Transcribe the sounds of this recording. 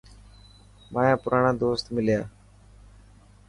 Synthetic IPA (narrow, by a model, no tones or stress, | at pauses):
mãːjãːpʊɾaːɳãːd̪oːst̪mɪljaː